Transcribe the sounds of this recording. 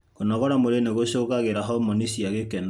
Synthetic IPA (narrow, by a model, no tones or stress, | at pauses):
konɔɣɔɾamoɾeneɣoʃoɣaɣeɾaɦɔmɔnisiaɣekɛna